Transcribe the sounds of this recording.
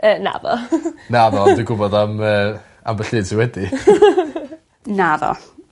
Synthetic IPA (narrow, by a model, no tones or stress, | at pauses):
əːna̰ðɔ̰naðɔdiɡʊbɔdaməː | ambəɬɨːd̥sɪnwɛdi | naðɔ̰